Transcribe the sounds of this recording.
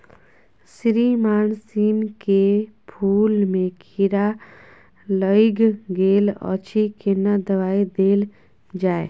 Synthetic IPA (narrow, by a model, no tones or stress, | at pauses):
sɾimaːnsinkepʰuːlmẽkʰiɾa | ləiɡɡeːlɔ̰t͡ʃʰikenad̪əʋaːid̪eːl | d͡ʒaːe